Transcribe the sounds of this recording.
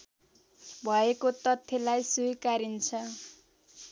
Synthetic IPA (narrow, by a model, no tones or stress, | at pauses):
bʱʌekot̪ʌt̪ʰːjʌlajsujkaɾint͡sʰʌ